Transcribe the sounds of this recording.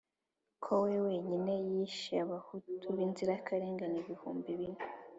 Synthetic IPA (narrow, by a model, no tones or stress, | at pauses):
kʰowewe̞ɲine̞jiʃiaβahutʰuβinziɾakʰaɾeːŋɡaniβihuːmbiβine